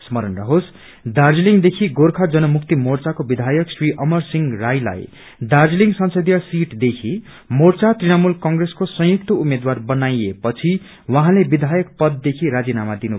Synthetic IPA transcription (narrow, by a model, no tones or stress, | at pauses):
smʌɾʌnrʌɦos | d̪ard͡zliŋd̪ekʰiɡorkʰad͡zʌnʌmuk̚ʰt̪imort͡sakobid̪ʱajʌksriʔʌmʌrsiŋɡrajla̰j | d̪ard͡zliŋsʌnsʌd̪ijʌsiʈd̪ekʰi | mort͡sat̪rinʌmulkʌŋɡreskosʌ̃j̃juk̚t̪ʌumed̪warbʌnajepʌt͡sʰi | waɦãlebid̪ʱajʌk̚pʌd̪̚ːekʰiɾad͡zinamad̪inu